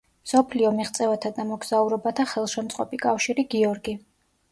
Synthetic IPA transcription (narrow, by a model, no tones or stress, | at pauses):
msɔpʰliɔmiχt̪sʼɛvat̪ʰad̪amɔɡz̥auɾɔbat̪ʰaχɛlˠʃɛmt̪sʼqʼɔpʼikʼafʃiɾiɡiɔɾɡi